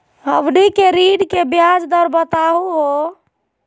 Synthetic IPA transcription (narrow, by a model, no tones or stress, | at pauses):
ɦəʋnikeɾiɽkebjad͡ʒd̪əɾbət̪aɦuɦo